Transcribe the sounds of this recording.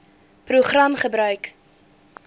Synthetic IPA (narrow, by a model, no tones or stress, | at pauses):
pruχrɐmχəbɾœɥk